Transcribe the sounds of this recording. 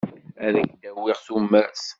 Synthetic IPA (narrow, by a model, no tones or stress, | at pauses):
æðæɡd̪æwiʁθumːæs